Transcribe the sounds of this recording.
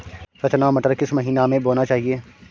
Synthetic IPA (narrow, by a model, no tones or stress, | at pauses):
ɾɐt͡ʃnaomɐʈəɾkɪsmɐɦiːnamẽboːnat͡ʃaːɦieː